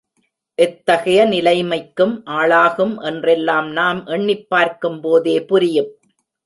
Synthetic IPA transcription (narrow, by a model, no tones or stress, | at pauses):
ʔɛt̪ːɐɣɐjɐnɪlɐɪmɐɪkːɯmʔaːɭaːɣɯmʔɛndrɛlːaːmnaːmʔɛɳːɪpːaːɾkɯmpoːðeːpʊɾɪjɯm